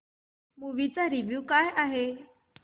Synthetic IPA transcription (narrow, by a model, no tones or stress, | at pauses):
muʋit͡saɾiʋjuːkaːjaɦe